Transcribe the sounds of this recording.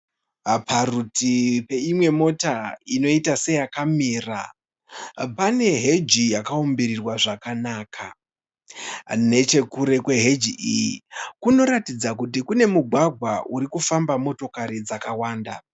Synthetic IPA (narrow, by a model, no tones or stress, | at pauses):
pʰarutipe̞imwe̞mo̞taino̞itase̞jakamiːra̰ | pane̞ɦe̞d͡ʒijakaombiɾirwaʐakanaːkʰa | ne̞t͡ʃe̞kuɾe̞kwe̞ɦe̞d͡ʒiʔijikuno̞ɾatid͡zakut̬ikune̞muɡʱwaɡʱwaʔuɾikufambamo̞to̞kaɾid͡zakawaːnda